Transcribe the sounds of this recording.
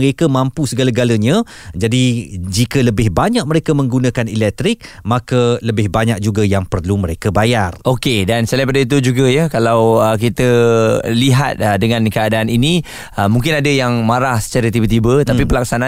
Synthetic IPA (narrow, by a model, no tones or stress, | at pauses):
ɾekamãmpusəɡalaɡalaɲã | d͡ʒadid͡ʒikələbɪhbaɲak̚məɾekamə̃ŋɡunãkanilɛk̚t̪ɾɪk̚ | makələbɪhbaɲak̚d͡ʒuɡajaŋpərluməɾekabajarokedansalajpadait̪̬ud͡ʒuɡəjakalawək̬it̪əliɦa̰t̪̚ədəŋãnkəadaːninĩ | əmũŋkɪnadəjaŋmaɾahsə̥t͡ʃaɾət̪ibət̪ibət̪apipəlak̚sana